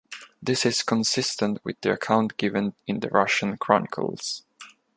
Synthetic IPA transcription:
ðɪsɪz̥kʰə̃nsɪstə̃nt̚ʰwɪ̰ððiə̰kʰãʊ̃ntɡ̥ɪvə̃nɪ̃nðə̰ɹʌ̰ʃə̃nkʰɹ̥ɔnɪkʰə̰lˠz̥

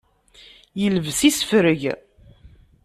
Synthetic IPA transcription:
jəlvsisə̥fɾəʝ

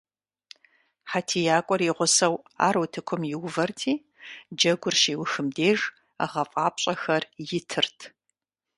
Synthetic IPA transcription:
ħatʰiːjaːkʷʼɔriʁʷʊsɐwa̰ːɾowːtʰɨkʷʰʊmjɪwvɐrtʰiː | d͡ʒɐɡʷʊrʃiːwʊxɨmdeːʐ | a̰ʁɐfʼaːpɕʼɐxɐrjɪtʰɨrtʰ

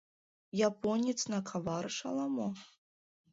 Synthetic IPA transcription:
japɔnʲit̪snakʰavarʂalˠamɔ

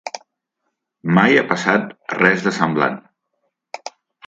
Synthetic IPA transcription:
majapəsat̪rɛzðəsəmbla̰n

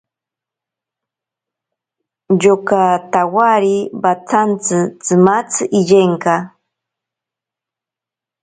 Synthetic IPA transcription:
jokat̪awaɾibat͡sʰant͡sɨt͡sɨmat͡sɨʔɪʎeŋka

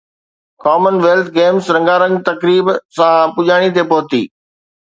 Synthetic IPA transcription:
kɔːmənʋeːlt̪ʰɡeːmsɾɐ̃ŋɡaɾə̃ŋɡt̪ɐkɾiːbsãpʊʄaːɽ̃it̪̬epoːt̪ḭː

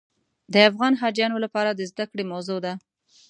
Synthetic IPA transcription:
d̪əafɣɑnɦɑd͡ʒjɑnolapɑɾad̪əzd̪akɽemawzod̪a

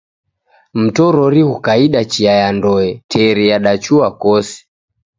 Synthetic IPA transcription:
m̩tɔɾɔɾihukaiɗat͡ʃiajandɔɛtʰɛɾɛjaɗat͡ʃuakɔsi̥

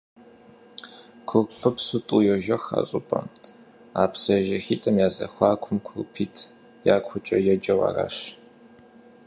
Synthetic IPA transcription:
kʷʰʊrpʰɨpsutʼujɛʒɐxa̰ɕʼʊpʼɐ̰ | aːpʰsɐʒɐxiːtʼɐmjaːzɐ̰xʷɑːkʷʰʊmkʷʰʊrpʰiːtʰ | jaːkʷʰʊt͡ʃʼɐjɛd͡ʒɐwa̰ra̰ɕ

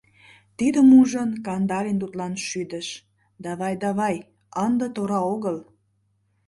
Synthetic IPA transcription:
t̪id̪əmuʒənkɑnd̪ɑɾent̪ut̪lɑnʃyd̪ə̆ʃ | d̪ɑβɑjd̪ɑβɑj | ɑnd̪ət̪oɾɑoɣəl

